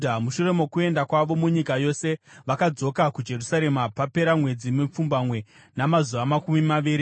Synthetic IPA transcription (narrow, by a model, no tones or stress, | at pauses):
damuʃure̞mo̞kue̞ndakwaʋo̞muɲikajo̞se̞ʋakad͡zo̞kakud͡ʒe̞rusaɾe̞mapape̞ɾamwe̞d͡zimep͡fumbamwe̞ | namazuʋamakumimaʋiːɾi